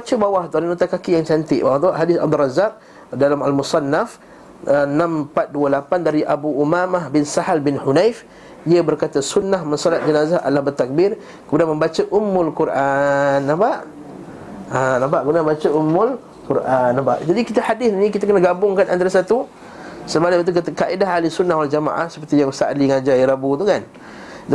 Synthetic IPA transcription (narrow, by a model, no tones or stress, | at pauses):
bat͡ʃəbawaht̪ualənut̪akakijaŋt͡ʃant̪ɪ̰ʔbawaht̪uaʔɦadɪsabd̪urɑzak̚ | dalamalmusɑnːaf | ənãmpat̪̚duəlapandaɾiʔabuʔumamahbɪnsahalbɪnhunajf | iəbərkat̪asunːahmənsɔlat̪̚d͡ʒənazahʔa̰lahbət̪ak̚bɪr | kəmudanmə̃mbat͡ʃəʔumːʊlkuɾʔanːabaʔ | anabaʔɡunaməmbat͡ʃaumːʊl | kuɾʔanːabaʔd͡ʒadikit̪ahadɪθnĩk̬it̪akənaɡabʊŋkanʔa̰nt̪aɾasat̪u | səmalaat̪̬ukat̪akaʔidaɦalisunːahwald͡ʒama̰ʔa̰hsə̥pərt̪ijaŋsa̰ʔliŋad͡ʒaiɾabut̪ukan